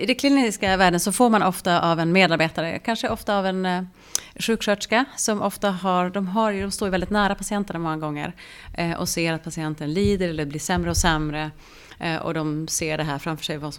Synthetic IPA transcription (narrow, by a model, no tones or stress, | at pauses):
ɪd̪ɛkʰlɪniskavæːɖənsɔfoːɾmanʔɔft̪aʔavɛnmeːd̪aɾbeːt̪aɾə̰kʰanʂəɔft̪aːvɛn | ɧʉ̟ːkʂœʈʂkasɔmʔɔft̪aɦaɾɖ̪ɔmɦaɾd̪ɔmst̪oːɾjvɛld̪ɪt̪næːɾapʰasɪɛnt̪əɳamɔŋːaɡɔŋːə̰ɾ | ʔɔ̰seːɾat̪̚pʰasɪɛnt̪ənliːd̪əɾɛlːəblɪːʂɛmɾəɔsɛmɾə | ʔɔ̰d̪ɔmseːɖɛɦæːɾfɾamfœʂɛjvasɔ